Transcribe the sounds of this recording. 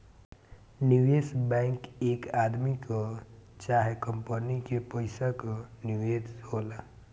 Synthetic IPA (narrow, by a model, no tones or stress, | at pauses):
niwesbɛ̃ɪŋkekad̪mikot͡ʃaːɦekəmpənikepəɪsakoniʋed̪ɦola